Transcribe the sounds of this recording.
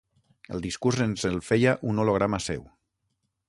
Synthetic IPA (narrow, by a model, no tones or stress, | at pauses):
ə̰lˠd̪iskuɾzenzəlˠfejaʔunoloɣ̞ɾamasɛ̰w